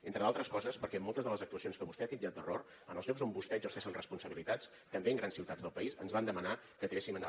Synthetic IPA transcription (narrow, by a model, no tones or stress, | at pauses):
ent̪ɾəðalˠt̪ɾəskɔzəspəɾkɛmɔlˠt̪əzðələzək̚t̪uəsionskəβust̪ɛat̪iniat̪̚əroɾ | ənəlˠʎopzombust̪ɛəɡzərsɛʃinrəspunsəβilit̪at͡s | t̪əmbeŋɡɾansiwt̪ad͡zðəlˠpəizənzβand̪əmənakət̪ɾesimən